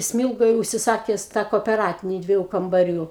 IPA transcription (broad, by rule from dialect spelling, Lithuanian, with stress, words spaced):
ˈsʲmʲɪlˠɡoːj ʊʃʲsʲɪˈsɑːkʲɛs tɑː koːpʲɛˈrɑːtʲɪnʲɪ ˈdʲʋʲiɛjʊ kɐmbɐˈrʲuː